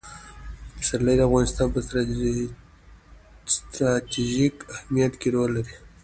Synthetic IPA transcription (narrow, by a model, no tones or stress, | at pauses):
əsalajd̪əafɣɑnɪst̪ɑnpəst̪ | st̪ɾat̪iʒikahmijat̪keɾolːaɾi